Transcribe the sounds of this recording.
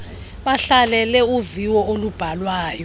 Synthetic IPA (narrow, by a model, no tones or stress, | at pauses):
ɓaɬalɛlɛuviwɔolub̥ʱalwaːjɔ